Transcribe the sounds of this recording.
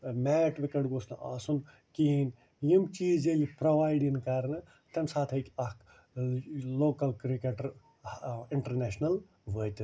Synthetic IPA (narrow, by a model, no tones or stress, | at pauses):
mɛːʈʋikɐɽɡosna̰ːsun | kiin | jimt͡ʃiːzelipɾoʋaːjɖiŋkɐɾnɨ | t̪ɐmsaːt̪ʰɐkiɐk | loːkɐlkɾikeʈɐɾ | iɳʈɐɾneːʃnɐl | ʋəːt̪